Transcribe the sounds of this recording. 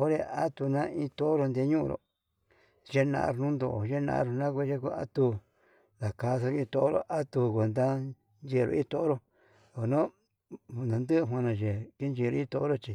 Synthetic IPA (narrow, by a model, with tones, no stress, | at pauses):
o˦ɾe˧a˦t̪u˧nã˦ĩ˦t̪o˦ʔo˦ɾo˧nd̪e˧˦ɲũ˦˧ɾo̰˨ | ʒe˦nã̰˧ʔɾnũ˦nd̪o̰˧˨ʒe˦nã̰˧ɾo˧nã˦kʷe˧ʒe˦ku˧a̰˦t̪u˧ | ða˨ka˧so˧ɾo˧ĩ˧t̪o˧ʔɾo̰˧ʔa˦t̪u˧kʷe˨nd̪a˦ | nd͡ʒe˧˨˧ɾo̰˧ʔĩ˦t̪o˦o˦ɾo˧ | o˨o˨nõ˦˧ | nã˨nd̪ɨ˦˧ɦw̃ã˧nã˧ʒe˨ki˦nd͡ʒi˧ɾo˧ĩ˦t̪o˧˦o˦ɾo˧t͡ʃi˧